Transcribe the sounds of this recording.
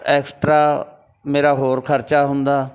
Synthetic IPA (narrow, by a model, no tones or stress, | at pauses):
ɛːksʈɾaː | meːɾaːɦoːɾkʰəɾt͡ʃaːɦʊ̃nd̪aː